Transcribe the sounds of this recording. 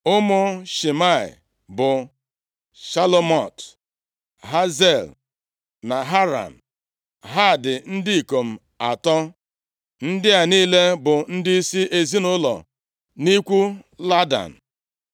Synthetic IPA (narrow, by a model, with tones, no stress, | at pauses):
ʊ˦mʊ˦ʃi˨ma˦˨ɪ̰˨ | bʊ˨ | ʃa˦lo˦mɔ˨t | ɦa˦ze˦˨l | na˨ɦa˦ɾa̰˨n̩˨ | ɦa˦˨dɪ˨n̩˦dɪ˦i˨ko˨m̩˨ | a˨tɔ˦ | n̩˦dɪ˦a˨niː˦le˦bʊ˨n̩˦dɪ˦i˦si˦ʔe˨zi˦nʊ˦lɔ̰˨ | ni˦kʷu˦la˦da̰˨n̩˨